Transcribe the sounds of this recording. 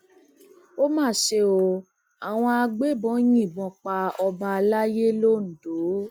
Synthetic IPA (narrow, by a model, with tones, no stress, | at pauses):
o˦mãː˦˨ʃe˧o˧ | a˨w̃ɔ̃˧a˧ɡ͡be˦bɔ̃˨˦j̃ĩ˦˨bɔ̃˧k͡pa˧ɔ˧ba˧la˦je˦lo˦˨n̩˨do˨˦